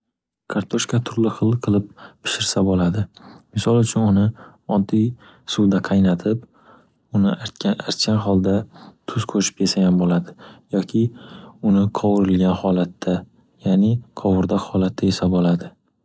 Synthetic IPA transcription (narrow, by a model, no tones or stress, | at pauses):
kʰaɾt̪ʰoʃkat̪ʰʊɾlɪχɨlˠqʰɨlˠɪp̚pʰɪ̥ʃɪɾsabolad̪ɪmɪsɒlˠʊt͡ʃʰʊnʊnɪ | ɒd̪ij | sʊwd̪aqʰɑjnat̪ʰɪp | ʊnɪʔaɾt̪kʲanɦɒlˠd̪at̪ʰʊz̥kʰɵɾʃɪ̥pʰesaɡʲanbolad̪ɪjɒkʲʰɪʊnɪqʰɒwɾɪlɡʲanhɒlat̪ʰːa | janɪqʰɒwʊɾd̪ahɒlat̪ʰːajesabɒlad̪ɪ